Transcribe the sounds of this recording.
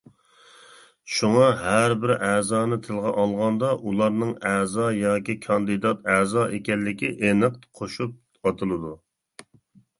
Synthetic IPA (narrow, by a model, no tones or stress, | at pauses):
ʃuŋɑɦæɾbɪɾæzɑːnɨt̪ʰɨlˠʁɑʔɑlˠʁɑnd̪ɑʔulˠɑɾnɨŋæzɑjɑːkʲikʰɑnd̪ɨd̪ɑt̪æzɑʔekʲɛlːɪkʲiʔenɨq̪̚qʰoʃup̚ | ɑt̪ʰɨlˠɨd̪u